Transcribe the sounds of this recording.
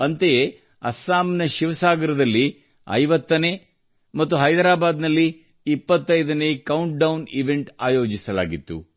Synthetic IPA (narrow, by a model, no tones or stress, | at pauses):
ɐnt̪eje | ɐ̰saːmnɐʃiʋɐsaːɡɐɾɐd̪ɐlːi | ɐ̰jʋɐt̪ːɐne̞ː | mɐt̪ːuɦɐjd̪ɾaːbaːd̪nɐlːiː | pːɐt̪ːɐjd̪ɐneːkɐwɳʈ̚ɖɐwniʋe̞ɳʈaːjo̞ːd͡ʒisɐla̰ːɡit̪ːṵ